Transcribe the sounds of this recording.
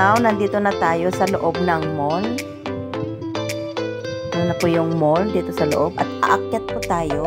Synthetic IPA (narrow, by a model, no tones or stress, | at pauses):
awnɐnd̪iːt̪onɐt̪aːjo̞sɐloʔob̚nɐŋmol | ɾonɐpʊjʊŋmold̪iːt̪o̞sɐlo̰ʔob̚ʔɐt̪̚ʔɐ̰ʔɐkjɐt̪̚pʊt̪aːjo